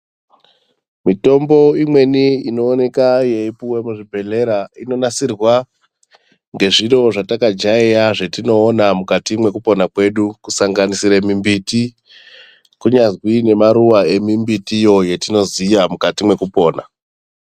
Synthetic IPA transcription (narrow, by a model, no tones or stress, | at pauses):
mito̞mbo̞imwe̞niino̞ːne̞kajeipuwe̞muʐibʱe̞le̞ɾaino̞nasirwa | ŋɡe̞ʐino̞ʐatakad͡ʒaijaʐe̞tino̞ːnamukatimwe̞kupo̞nakwe̞ɗukusaŋɡanisiɾemimbiti | kuɲazwine̞maɾuwae̞mimbitijo̞je̞tino̞ziːjamukatimwe̞kupo̞ːna